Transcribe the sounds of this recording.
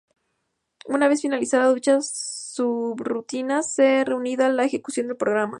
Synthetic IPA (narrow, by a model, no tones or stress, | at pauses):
unaβe̞sfinalisaðaðut͡ʃasubrut̪inasere̞uniðalaexe̞ku̥sjo̞nd̪elpɾo̞ɣ̞ɾama̰